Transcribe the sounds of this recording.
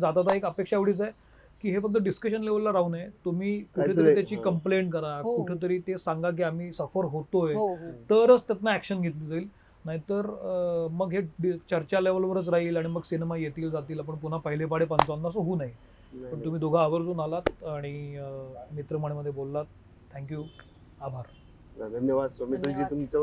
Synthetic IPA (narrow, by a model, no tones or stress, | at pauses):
d͡zat̪at̪aekəpekʂaeʋɽiːt͡saj | kiːɦefək̚t̪əɖiskəɕ̬ənleʋəllaɾaunet̪umiːkueːt̪əiːt̪jat͡ɕiːkəmpleɳʈkəɾakuʈʰet̪̬əɾiːt̪esaŋɡak̬iːam̤iːsəfəɾɦot̪oet̪əɾət͡st̪jat̪naækɕənɡʱet̪liːd͡zaiːl | naɦit̪əɾməɡɦeɖt͡ɕəɾt͡ɕaleʋəlʋəɾət͡sɾaɦiːlaɽ̃iməɡsinemajet̪iːld͡zat̪iːlap̬əɳpun̤apəɦilepaɽepənt͡sanːasoɦuːnaɦi | pəɳt̪um̤iːd̪oɡʱaːʋəɾd͡zuːnalat̪aɽ̃i | mit̪ɾəməɳ̃eməd̪ʱjebolːat̪̚ʰː | ɛ̃ŋkju | abʱaɾ | d̪ʱənjəʋadmit̪ɾəd͡ʑiːt̪umt͡ɕ